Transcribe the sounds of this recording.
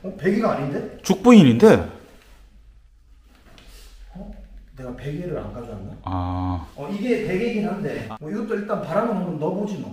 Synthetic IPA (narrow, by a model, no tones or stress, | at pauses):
ʌpe̞ɡiɡaaɲinde̞t͡ɕuk̚p͈uɲininde̞ | ʌne̞ɡape̞ɡeɾɯɾa̰nɡad͡ʑoanɯɡaaʌiɡe̞pe̞ɡeɡiɦannde̞mwʌiɡʌt͈oiɭt͈anpaɾanɯnonɯnnʌbod͡ʑina